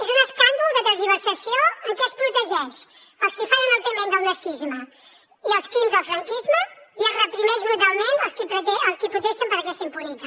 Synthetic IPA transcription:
ezunəskaŋɡ̪ulˠd̪əðəzðiβəɾsəsioəŋkɛəspɾut̪əʒɛʃ | əlˠskifaʒənalˠt̪ɾimẽnd̪əlˠnəsizmə | iəlˠskɾimzðəlˠfɾəŋkizməiərəpɾinɛʒβɾut̪̬alˠmenəlˠskipɾt̪ɛəlˠskipɾut̪ɛʃt̪əmpəɾɐkɛst̪əimpunit̪a

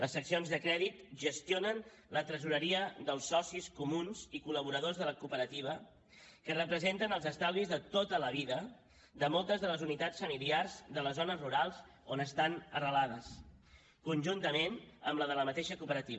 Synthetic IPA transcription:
ləsːəksionzðəkɾɛðit̪ʒəst̪jonən | lət̪ɾəzuɾəɾiəðəlˠsːɔsiskumunz̥ikuləβ̞uɾəð̞ozðələkupəɾət̪iβ̞ə | kərəpɾəzent̪ənəlˠzəst̪alizðət̪ot̪ələβiðə | d̪əmɔlˠt̪əzðələzunit̪at͡sfəmiliarzðələzonəzruɾalˠz | onəst̪anərəlaðəs | kunʲʒunt̪əmenəmləðələmət̪eʃəkupəɾət̪iβ

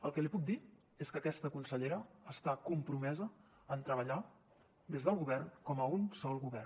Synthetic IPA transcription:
əlˠkəlipuk̚d̪i | eskəkɛst̪əkunsəʎeɾəːst̪akumpɾumɛzə | ənt̪ɾəβəʎa | d̪ezðəlˠɣuβɛrnkɔməunsɔlˠɣuβɛr

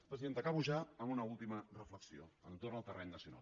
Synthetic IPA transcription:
pɾəziðent̪əkaβuʒaəmunəulˠt̪imərəfləksio̰ənt̪ornəlˠt̪ərʔɛɲnəsiuna̰lˠ

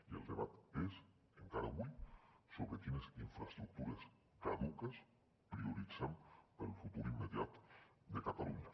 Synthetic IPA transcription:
ielˠd̪eβat̪es | eŋkaɾa̰βujsoβɾekineziɱfɾast̪ɾuk̚t̪uɾes | kaðukəs | pɾiuɾid͡zampəɾunfut̪uɾimːeðjat̪d̪ekat̪aluɲa

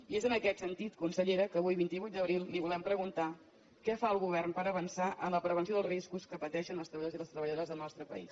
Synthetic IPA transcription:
iezənəkɛt̪sənt̪it̪kunsəʎeɾəkəːβujβint̪iβujt̪̚d̪əβɾilˠliβulɛmpɾəɣunt̪a | kɛfaəlˠɣuβɛrnpəɾəβənsaʔənləpɾəβənsioðəriskuskəpət̪ɛʃənəlˠst̪ɾəβoziðəst̪ɾəβəʎəðoəzðəlˠnɔst̪ɾəpə̰ḭs

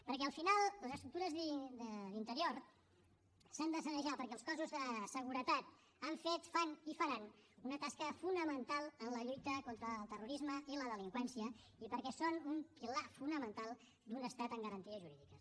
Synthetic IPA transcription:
pəɾkɛəlˠfinalˠləzəst̪ɾuk̚t̪uɾəzðd̪əlint̪əɾioɾ | sand̪əsənəʒapəɾkɛlˠskɔzuzðəsəɣ̞uɾət̪at̪ | aɱfet̪fanifəɾanunət̪askəfunəmənt̪alˠənləʎujt̪əkont̪ɾəːlˠt̪əruɾizməʔiləðəliŋkwɛnsiə | ipəɾkɛsonumpilafunəmənt̪alˠ | d̪unəst̪at̪əŋɡəɾənt̪iəzʒuɾiðikə

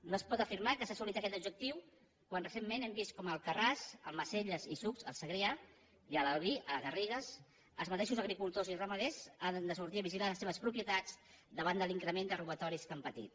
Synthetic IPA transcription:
noəspɔt̪əfiɾmakəsasulit̪akɛt̪ubd͡ʒək̚t̪iw | kwanrəsemːenɛmbist̪̚kɔməlˠkərasə̰lməseʎəzisukzə̰lˠsəɣɾea | iələlˠβiʔəɣəriɣəs | əlˠzmət̪eʃuzəɣɾikulˠt̪ozirəməðɛzand̪əsuɾt̪iɐβiʒilaləseβəspɾupjət̪ad͡zd̪əβand̪əliŋkɾəmend̪əruβət̪ɔɾiskəmpət̪ḭt̪̚

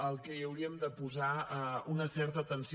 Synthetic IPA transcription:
əlˠkɛiəwɾiəmd̪əpuzaəunəsɛɾt̪ət̪ənsi

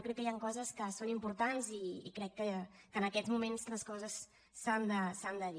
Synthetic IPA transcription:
kɾɛkːəjaŋkɔzəskəsonimpuɾt̪anzḭːkɾɛkːəkəːnəkɛzmumenzləskɔzəsː | and̪əsand̪əði

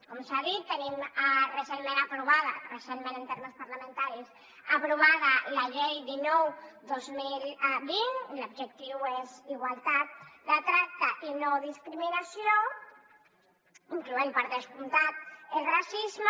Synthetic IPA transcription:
komsaðit̪ːənimrəsemmẽnapɾuβ̞að̞ərəsemmẽnənt̪eɾməspaɾlamẽnt̪aɾis | apɾuβ̞aðalaʎejðinɔwðozmilˠbiŋlubʒek̚t̪iweziɣwalˠt̪at̪̚d̪ət̪ɾak̚t̪aʔinoðiskɾiminasio | iŋkluempəɾðəskunt̪at̪̚elrasizm

